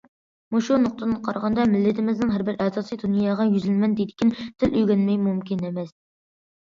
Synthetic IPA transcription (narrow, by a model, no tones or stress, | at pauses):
muʃunʊq̚t̪ʰənɨqʰɑɾʁɑnd̪ɑmɪlːɪt̪ʰɪmɪznɪŋɦæɾbɪɾɛsɑːsijd̪unjɑːʁɑjyzɪlmɛnd̪ed̪ɪkʲint̪ʰɪlʔyjɡʲɛnmɛjmumkʲinemɛs